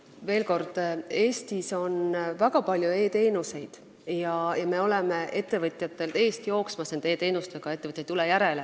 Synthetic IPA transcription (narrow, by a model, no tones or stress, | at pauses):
ve̞ːlko̞rd̪̥e̞ːst̪iso̞nvæɡ̥ɑpɑlʲjue̞ːt̪e̞ːnuse̞jd̪̥ | jɑjɑme̞o̞leme̞ʔe̞t̪ˑːe̞vɤt̪ʲˑjɑt̪ːˑe̞lt̪e̞ːst̪ijo̞ːksmɑsnend̪e̞ːt̪e̞ːnust̪eɡ̥ɑe̞t̪ːeət̪jɑjt̪ːulɛjæɾe̞le